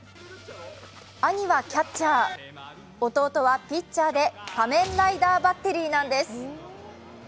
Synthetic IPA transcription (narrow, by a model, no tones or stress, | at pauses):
aɲ̟iβakʲatt͡ɕaː | o̞t̪o̞ːt̪o̞βapʲit͡ɕt͡ɕːaːd̪e̞pamẽ̞nɾaid̪aːbat̪ːe̞ɾʲiːnãnd̪e̞sɨ̥